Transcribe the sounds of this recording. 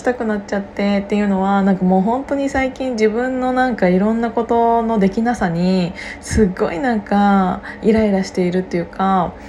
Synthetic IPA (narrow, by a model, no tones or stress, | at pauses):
i̥t̪akɯ̟natt͡ɕat̪ːe̞t̪ːe̞jɯ̟no̞βanãŋkamo̞ːɦõ̞nt̪o̞ɲ̟isaikʲĩɲ̟d͡ʑibɯ̟̃nːo̞nãŋkaiɾõ̞nːako̞t̪o̞no̞d̪e̞kʲinasaɲ̟isɨɡːo̞̰inãŋkaiɾaeɾaɕi̥t̪e̞iɾɯ̟t̪ːe̞jɯ̟ka